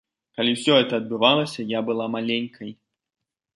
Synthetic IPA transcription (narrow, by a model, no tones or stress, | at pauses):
kalʲiwsʲɔɦɛt̪ɐːd̪̚bɨvalˠɐsʲɐjabɨlˠamalʲenʲkʰɐj